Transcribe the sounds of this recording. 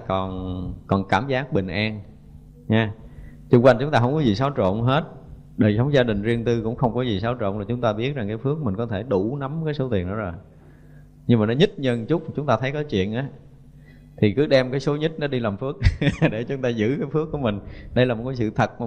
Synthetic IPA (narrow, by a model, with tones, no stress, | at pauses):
kɔ˨˩nkɔ˨˩nkaː˧˩mzaː˦˥k̚ɓï˨˩ŋ̟ʔaː˧n | ɲaː˨˧˦ | t͡ɕʊ˧ŋ͡mkwa˧jŋt͡ɕʊ˨˦ŋ͡mt̪aː˧ɦə˧ŋ͡mkɔ˨˦zi˨˩saː˨˦wt͡ɕo̰˧˨nɦe˦˥t̚ | ɗəː˨˩jsə˨˦wŋ͡mzaː˧ɗï˨˩ŋ̟zi˧əŋt̪ɨ˧kʊ̰˧˥ŋ͡mxə˧wŋ͡mkɔ˨˦zi˨˩saː˨˦wt͡ɕo̰˧˨nlaː˨˩t͡ɕʊ˨˦ŋ͡mt̪aː˧ɓi˦˥ət̚za˨˩ŋkaː˨˦jfɨ˦˥ək̚mï˨˩ŋ̟kɔ˨˦t̪ʰe˧˩ɗu˧˩na˨˦mkaː˨˦jso˨˦t̪i˨˩ənɗɔ˨˦zo˨˩j | ɲɨ˧maː˨˩nɔ˨˦ɲɨ˦˥t̚ɲə˧nt͡ɕʊ˦˥k͡p̚t͡ɕʊ˨˦ŋ͡mt̪aː˧t̪ʰə˨˦jkɔ˨˦jt͡ɕwḭ˧˨ənʔaː˨˦ | t̪ʰi˨˩kɨ˨˦ɗɛ˧mkaː˨˦jso˨˦ɲɨ˦˥t̚nɔ˨˦ɗi˧laː˨˩mfɨ˦˥ək̚ɗe˧˩t͡ɕʊ˨˦ŋ͡mt̪aː˧zɨ̰˧˥kaː˨˦jfɨ˦˥əkːu˧˩əmï˨˩ŋ̟ɗə˧jlaː˨˩mo˨˩t̚ka˨˦sɨ̰˧˨t̪ʰə˨˩t̚maː˨˩